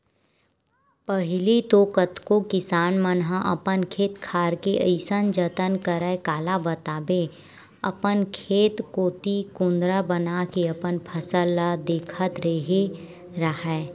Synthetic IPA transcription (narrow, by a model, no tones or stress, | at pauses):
pəɦɪlit̪oːkət̪kokɪsaːnmənɦãʔə̰pənkʰeːt̪kʰaːɾkeʔəɪsənd͡ʒət̪ənkəɾəekaːlabət̪aːbe | ɐ̰pənkʰeːt̪koːt̪ikʊ̃nd̪ɾabənakeəpənpʰəsəlad̪eːkʰət̪ɾeɦe | ɾəɦɛː